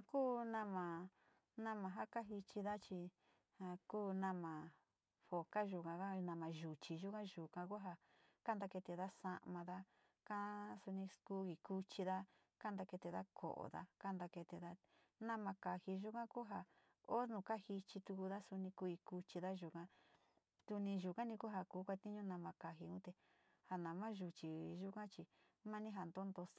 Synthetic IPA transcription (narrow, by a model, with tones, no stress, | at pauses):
a˧kuː˦nã˧mã˨ | nã˦mã˧˨ɦa˦ka˦ɦi˧t͡ʃi˧ða˦t͡ʃi˧ | ha˧kuː˦nã˧mã˨ | ɸo˨ka˦ʒu˧kã˧a˦nã˧mã˨ʒu˨t͡ʃi˨ʒu˦kã˦ʒu˨kã˧ku˦ɦa˧ka˦nd̪a˧ke˧t̪e˧˨ða˦sa˧ʔmã˧ða˦ | ka˦su˧nĩ˧ku˦i˨ku˧t͡ʃi˧ða˦ | ka˦nd̪a˧ke˧t̪e˧ða˦kʰo̰˨ʔo̰˨ða̰˦ka˦nd̪a˧ke˧t̪e˧ða˧˦ | nã˦mã˧ka˨hi˧ʒu˧kã˦ku˦ɦa˧˨ | o˦nũ˧˨ka˦hi˧t͡ʃi˧t̪u˧ku˧ða˦su˧nĩ˧ku˧i˧ku˧t͡ʃi˧ða˦ʒu˧kã˧ | t̪u˧nĩ˧ʒu˨kã˦nĩ˧ku˦ɦa˧kuː˨˦kʷa˧t̪i˦ɲũ˦nã˧mã˧ka˧ɦi˧ũ˦t̪e˧ | ha˧nã˨mã˦ʒu˧t͡ʃi˨ʒu˦kã˦t͡ʃi˧ | mã˦nĩ˦ɦa˧nd̪o˦nd̪o˧